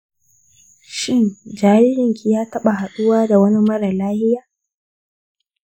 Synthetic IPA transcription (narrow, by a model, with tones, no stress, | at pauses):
ʃɪ˦nd͡ʒaː˦ɾɪ˦hɪ˨ŋkʲi˨jaː˦tɐ˦ɓa˨ha˨ɗʊ˦waː˦da˨wɐ˦ni˦mɐ˦ɽa˨laː˦hɪ˦jaː˨